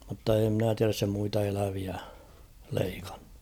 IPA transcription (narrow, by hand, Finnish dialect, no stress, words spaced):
mutːɑ eː mnæ tiæræs se muitɑ elæʋiæ leikɑ̥n̥ːu̥